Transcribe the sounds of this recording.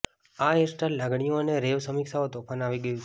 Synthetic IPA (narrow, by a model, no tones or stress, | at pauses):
aesʈallaɡɽ̃ijõəneɾeʋsəmiksaot̪ɔpʰanaʋiɡəjũ